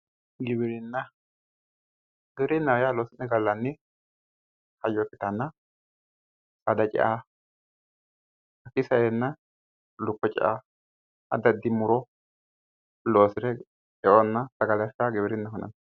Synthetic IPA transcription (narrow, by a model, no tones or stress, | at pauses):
ɡɪbɪɾɪnːɐ | ɡɪbɪɾɪnːɐwɔjaːloːsɪnːɛɡɐlːɐnːɪ | hɐjɔkːɪt̪ɐnːɐ | sɐd̪ɐt͡ʃʼɛ̰ʔa | ɐkɪsɐjenːɐ | lʊkːɔt͡ʃʼɛ̰ʔa | ɐ̰d̪ɐd̪ːɪmʊɾɔ | lo̞ːsɪɾɛ | ɛʔɔnːɐt̪ɐɡɐlɐsɐɡɪβɪɾɪnːɐhɔnɐ̰n